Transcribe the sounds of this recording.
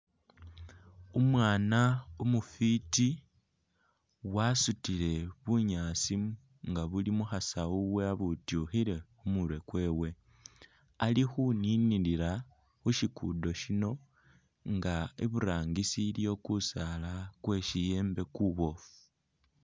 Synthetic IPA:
umwaːnaumufiti | wasutile̞βuɲaːt͡sim | ŋɡaβulimuxasauwe̞aβutuxiɾe̞xumulwe̞kwe̞ːwe̞ | alixuniniliɾa | xuʃikʰṵdo̞ʃino̞ | ŋɡaḭβuɾaːŋɡisiljo̞ːkusalakwe̞ʃije̞ːmbe̞kuβo̞fu

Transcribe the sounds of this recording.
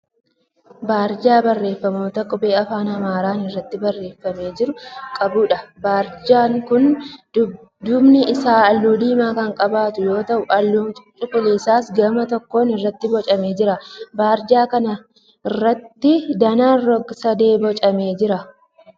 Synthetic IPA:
baːɾd͡ʒaːbɐrːe̞ːfːɐmo̞ːt̪ɐkʼʊbe̞ːɐfaːnɐmaːɾaːnɪrːɐt̪ːɪbɐrːe̞ːfːɐme̞ːd͡ʒɪɾʊkʼɐbʊᶑɐbaːɾd͡ʒaːŋkʊn | d̪ʊbnɪɪsaːɐlːuːd̪iːmaːkɐŋkʼɐbaːt̪ʊjo̞ːt̪ɐʔʊʔɐlːuːt͡ʃʼʊkʼʊliːsaːsɡɐmɐt̪ɔkːo̞ːnɪrːɐt̪ːɪbɔt͡ʃʼɐme̞ːd͡ʒɪɾɐbaːɾd͡ʒaːkɐnɐ | ɪrːɐt̪ːɪd̪ɐnaːnrɔɡsɐd̪e̞ːbɔt͡ʃʼɐme̞ːd͡ʒɪɾɐ

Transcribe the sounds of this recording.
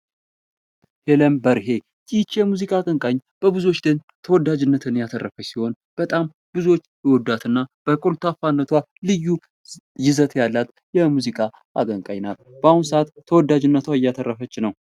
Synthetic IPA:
heləmbəɾɦe̞ | jit͡ʃːjɛmuzikʼakʼəŋkʼaɲːb̥əbɨzuwo̞t͡ʃːd̪ɨɲ | t̪ʰəwɔd̪ːad͡ʒɨnːət̪ʰɨnjat̪ʰərːəfəsiho̞n | b̥ət̪ʼam | b̥ɨzuo̞t͡ʃːjwɔd̪ːat̪ʰɨnːab̥əkʼolt̪ʰafanːət̪ʰwa | lɨjːu | jɪzət̪jalːat̪ | jɛmuzikʼa | a̰ɡʼəŋkʼaɲnal | b̥əahunsəʔat̪ʰːəwɔd̪ːad͡ʒɪnːət̪ʰwaɪjat̪ʰərːəfət͡ʃːɪnəw

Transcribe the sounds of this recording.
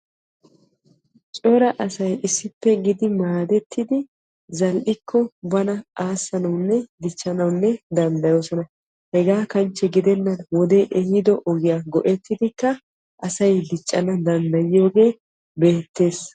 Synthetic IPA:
t͡ʃʼɔɾɐʔɐsɐjɪsːɪpːɛɡɪd̪ɪmaːd̪ɛt̪ːɪd̪ɪ | zɐlʔɪkʰːɔbɐnɐaːsːɐnɐwnːɛd̪ɪt͡ʃʼːɐnɐwnːɛd̪ɐnd̪ɐjo̞ːsɔnɐ | hɛɡaːkɐnt͡ʃːɛɡɪd̪ɛnːɐnwɔd̪eʔɛhɪd̪ɔʔɔɡɪjaɡɔʔɛt̪ːɪd̪ɪkːɐ | ʔɐsɐjd̪ɪt͡ʃʼːɐnɐd̪ɐnd̪ɐjɪjo̞ːɡe̞ː | be̞ːt̪ːe̞ːs

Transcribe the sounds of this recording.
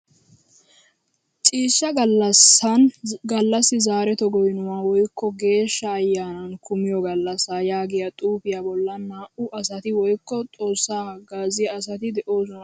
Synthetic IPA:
t͡ʃʼiːʃːɐɡɐlːɐsɐnɡɐlːɐsːɪzaːɾɛt̪ɔɡɔjɪnʊwaːwɔjkːɔɡe̞ːʃːɐːjːaːnɐnkʰʊmɪjɔɡɐlːɐsaːjaːɡɪjɐt̪ʼuːpɪjabɔlːɐnːaːʔʊʔɐsɐt̪ɪwɔjkːɔt̪ʼo̞ːsːaːɡaːzɪjɐːsɐt̪ɪd̪ɛʔo̞ːsʊnɐ

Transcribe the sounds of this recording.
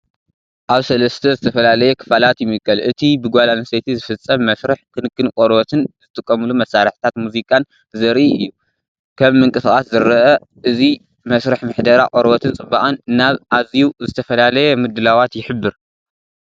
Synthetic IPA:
ʔaβsɐlɐst̪ʰɐzɨt̪ʰɐfɐlalɐjɛkʰɨ̥falat̪jɪmːɨkʼːɐlʔɨt̪ʰibɨɡʷalanɐset̪ʰizɨfɨt͡sʼːɐmːɐsɾɨħkʰɨnɨkːɨnkʼɔɾbɐt̪ʰɨnzɨt̪ʼɨkʼːɐmɨlumɐsːaɾħt̪ʰat̪muzikʼan | zɐɾiʔɨjːu | kʰɐmːɨŋkʼɨsɨxʼaszɨɾɐʔɐ | ʔɨzi | mɐsɾɐħmɨħd̪ɐɾakʼɔɾbɐt̪ʰɨnt͡sʼɨbaʔʼɐnnːaβʔaziuzɨt̪ʰɐfɐlalɐjɛmɨd̪ɨlawat̪jɪħɨbːɨɾ

